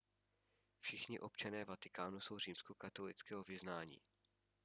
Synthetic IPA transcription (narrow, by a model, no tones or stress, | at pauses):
fʃɪxɲɪʔo̞pt͡ʃanɛːvat̪ɪ̥kaːnuso̞wr̝iːmskokat̪olɪt͡skɛːɦovɪznaːɲḭː